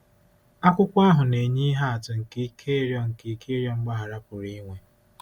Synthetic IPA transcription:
a˦kʷʊ˦kʷa˦ɦʊ˨ne˨ɲi˦ɦa˦a˨tʊ˨ŋ̩˨ki˦kʰe˦ɾjɔ˦ŋ̩˨ki˦ke˦ɾjɔ˦ŋ͡m̩˦ɡ͡ba˦ɦa˨ɾa˦pʊ˨ɾi˦ŋʷe˨

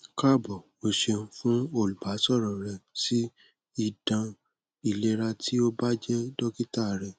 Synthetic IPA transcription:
ka˦˨bɔ˨ | o˧ʃe˧n̩˦fũ˦o˦˨lu˨ba˨˦sɔ˦˨ɾɔ˨ɾɛ˨si˦ | i˦˨dã˧ | i˨le˦ɾa˧ti˦o˦ba˦d͡ʒɛ˦dɔ˦ki˦ta˦˨ɾɛ˨

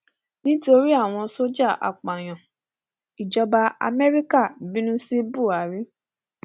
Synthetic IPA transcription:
nĩ˦to˧ɾi˦a˦˨w̃ɔ̃˧so˦d͡ʒa˦˨ʔa̰˨k͡pã˨j̃ã˨ | i˨d͡ʒɔ˧ba˧a̰˧mɛ˦ɾi˦ka˦˨bĩ˦nũ˦si˦bu˦˨a˨ɾi˦

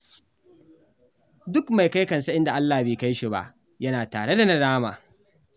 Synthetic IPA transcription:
dʊ˦kma˨jka˦jkɐ˨nsa˦ʔɪ˦nda˨ʔa˦lːaː˨hbeː˨ka˦jʃi˨ba̰˦ʔ | jɐ˦naː˨taː˨ɽe˦da˨nɐ˦daː˦ma̰ː˨

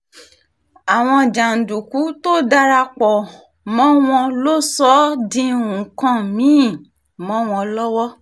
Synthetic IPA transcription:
a˨w̃ɔ̃˧˨d͡ʒa˨n̩˨du˨ku˨˦to˦˨da˧ɾa˧k͡pɔ˨ | mɔ̃˦w̃ɔ̃˧lo˦sɔ˦dĩ˧ũ˨kã˦˨mĩ˨˦˨ | mɔ̃˦w̃ɔ̃˧lɔ˦wɔ˦

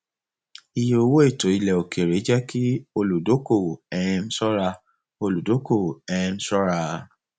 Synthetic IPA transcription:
i˨jo˨˧o˧wo˦e˦˨to˨i˧lɛ˨o˨ke˨ɾe˨˦d͡ʒɛ˦ki˦o˧lu˨do˨˦ko˦˨ɛ˧˦m̩˦sɔ˦ɾa˧ | o˧lu˨do˨˦ko˦˨ɛ˧˦˧m̩˦sɔ˦ɾa˧

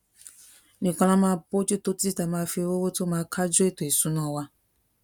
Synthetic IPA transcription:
nĩ˨kʷa˦lã˦mã˨˦po˦d͡ʒu˦to˦ti˦ta˨mã˨˦fe˦wo˦wo˦to˦mã˨˦kʰa˦d͡ʒo˦e˦to˨e˨su˦nɔ̃˨wa˦

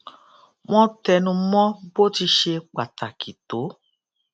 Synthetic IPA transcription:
w̃ɔ̃˦tɛ˧nũ˧mɔ̃˦bo˦ti˧ʃe˧k͡pa˨ta˨kʰi˨to˨˦

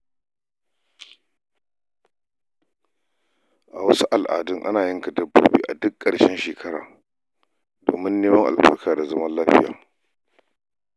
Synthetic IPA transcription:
ʔa˨wɐ˦su˦ʔa˨lʔa̰ː˨dʊ˦ŋʔa̰˦naː˨jɪ˦ŋka˨dɐ˦bːo̰ː˦bḭː˦ʔa˨dʊ˦kʼːɐ˨ɽʃɛ˦nʃeː˨kʰɐ˦ɽa̰ː˨ | do̰ː˨mɪ˦nːeː˦mɐ˦ŋʔa̰˨lɸɐ̰˦kaː˨da˨zɐ˦mɐ˦nlaː˦ɸɪ̰˦ja̰ː˨

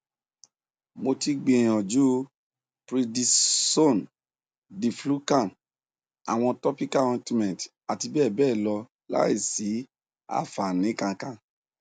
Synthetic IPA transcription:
mo˧ti˧ɡ͡bĩ˧˨ɔ̃˨d͡ʒu˦ | pɾi˧di˧so˦˨n | di˨flu˦kã˦˨m | a̰˨w̃ɔ̃˧tɔ˦pi˦ka˦wɛ̃˧ti˧mɛ̃˨t | a˨ti˧bɛː˦˨bɛː˦˨lɔ˧ | la̰˦i˦˨si˨˦ | a̰˦˨fa˨nĩ˨˦kã˧kã˧

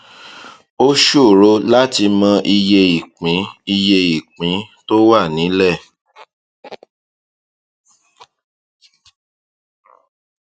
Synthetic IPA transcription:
o˦ʃu˦˨ɾo˦la˦ti˧mɔ̃˧ʔi˧je˧i˨k͡pĩ˨˦i˧je˧i˨k͡pĩ˨˦to˦wa˦˨nĩ˨˦lɛ˦˨

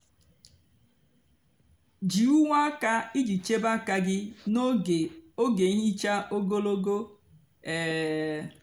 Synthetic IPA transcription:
d͡ʒi˨u˦ŋʷa˦ka˦i˦d͡ʒi˨t͡ʃe˦ba˦ka˦ɡɪ˦n˦˨o˦ɡe˨˦ɲi˦t͡ʃa˦ʔo˦ɡo˦lo˦ɡo˦ | ɛ˨

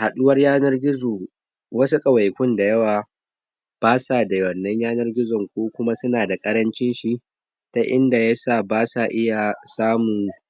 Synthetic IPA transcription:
ha˨ɗʊ˦wɐ˦rjaː˦nɐ˦rɡʲɪ˦zoː˨ | wɐ˦su˦kʼɐ˨wa˨jkʷʊ˦nda˨jɐ˦waː˨ | b̥aː˦sa˦˨da˨wɐ˨nːɐ˦ɲjaː˦nɐ˦rɡʲɪ˦zɔ˨ŋkʷoː˦kʷʊ˦ma˦sʊ˦naː˨da˨kʼɐ˦ɾɐ˦nt͡ʃɪ˦nʃi˦ | ta˦ʔɪ˦nda˨ja˦saː˦˨baː˦sa˨ʔɪ˦ja˨saː˦mʊ˨ŋ

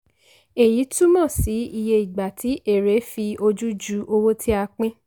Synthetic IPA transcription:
e˨ji˨˦tu˦mɔ̃˦˨si˨˦i˧je˧i˨ɡ͡ba˨tʰi˨˦ʔe˦˨ɾe˨˦fi˧o˧d͡ʒu˦d͡ʒu˨˦ʔo˧wo˦tʰi˦a˧k͡pĩ˦

